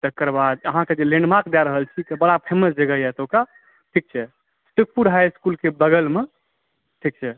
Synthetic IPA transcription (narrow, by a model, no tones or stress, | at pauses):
t̪əkːəɾbad̪əɦãked͡ʒelẽɳɖmaɾkd̪jaɾəɦəlt͡ʃʰit̪əbəɽapʰeməsd͡ʒəɡəjɛt̪oka | ʈʰik̚t͡ʃʰɛ | sʈuk̚puɾɦajskulkebəɡəlme | ʈʰik̚t͡ʃʰɛ